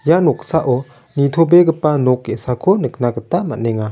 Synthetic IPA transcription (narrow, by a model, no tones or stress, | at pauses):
janɔk̚saʔɔ | nitʰɔbeɡəpanɔkːesakʰɔnɯk̚naɡətama̰ʔnɛŋa